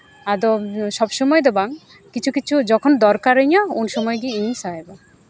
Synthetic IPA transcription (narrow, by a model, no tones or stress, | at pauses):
ad̪ɔʃɔbsɔmɔjed̪ɛbaŋ | kit͡ʃʰukit͡ʃʰud͡ʒɔkʰɔnd̪ɔɾkaɾəɲaunsɔmɔjɡiinsaɦeba